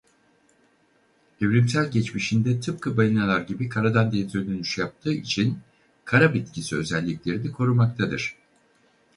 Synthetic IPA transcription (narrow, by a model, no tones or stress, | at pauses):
evɾimsælʲɟɛt͡ʃmiʃind̪ɛt̪ʰɯp̚kʰɯbajinalˠaɾɟibikʰaɾad̪and̪et̪ɾød̪ønyʃjap̚t̪ʰɯːḭt͡ʃʰin | kʰaɾabit̪cʰisiø̞̰zɛlʲːiclʲe̞ɾinikʰo̞ɾumak̚t̪ʰad̪ɯ̰ɾ̥